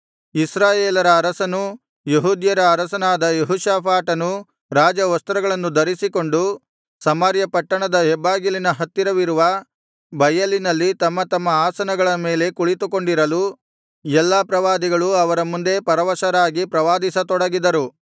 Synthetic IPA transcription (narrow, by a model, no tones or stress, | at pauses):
isɾaːjeːlɐɾɐːɾɐsɐnu | jeɦuːd̪jɐɾɐːɾɐsɐnaːd̪ɐjeɦuːʃaːpʰaːʈɐnu | ɾaːd͡ʒɐʋɐst̪ɾɐɡɐɭɐnːud̪ɐɾisiko̞ɳɖu | sɐmaːɾjɐpɐʈːɐɳɐd̪ɐɦɛbːaːɡilinɐɦɐt̪ːiɾɐʋiɾuʋɐ | bɐjɐlːinɐlːit̪ɐmːɐt̪ɐmːɐaːsɐnɐɡɐɭɐme̞ːle̞kuɭit̪uko̞ɳɖiɾɐlu | ɛlːapɾɐʋaːd̪iɡɐɭuɐʋɐɾɐmund̪e̞pɐɾɐʋɐʃɐɾaːɡipɾɐʋaːd̪isɐt̪ɔɽɐɡid̪ɐɾu